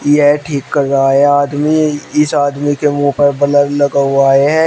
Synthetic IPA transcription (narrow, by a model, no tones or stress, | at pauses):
jɛʈʰiːkːɐɾːaaɛ̃aːd̪miɪsaːd̪mikemũːpɐɾbɐləɾlɐɡaaːeɦɛ̃